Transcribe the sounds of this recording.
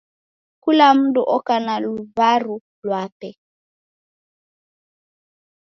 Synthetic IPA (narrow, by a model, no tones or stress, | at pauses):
kulam̩duʔɔkanaluvaɾu | lwatɛ